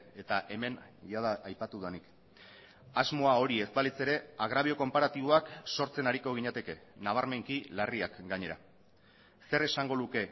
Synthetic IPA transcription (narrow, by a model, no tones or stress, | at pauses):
e̞t̪aʔe̞me̞nʝaðaʔːjpat̪uðanik | azmo̞ao̞ɾie̞zbalit͡se̞ɾe̞aɣ̞ɾaβio̞ko̞mpaɾat̪iβ̞o̞akso̞ɾt͡se̞naɾiko̞ɣiɲat̪e̞ke̞naβ̞aɾme̞ŋkilariakɡaɲe̞ɾa | se̞ɾe̞saŋɡo̞ðuke̞